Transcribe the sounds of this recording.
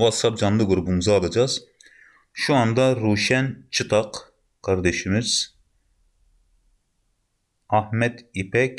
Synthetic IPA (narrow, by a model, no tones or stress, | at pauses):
vɑt̪sɑp̚d͡ʒɑnlˠɯɡuɾubumuzɑːlˠɑd͡ʒɑz̥ | ʃuɑnd̪ɑɾuːʃɛnt͡ʃʰɯt̪ʰɑq | kʰːɑɾd̪ɛʃimiz̥ | ɑhmɛd̪ipʰɛk